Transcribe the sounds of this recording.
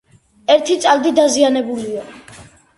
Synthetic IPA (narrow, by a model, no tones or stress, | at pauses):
ɛɾt̪ʰit̪sʼald̪id̪azianɛbulia